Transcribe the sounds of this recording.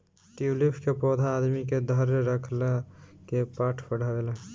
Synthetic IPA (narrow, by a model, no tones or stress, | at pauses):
ʈilipʰkepɔːd̪ʱaːd̪miked̪ʱəɾɾəkʰlakepaːʈʰpəɽ̤aʋele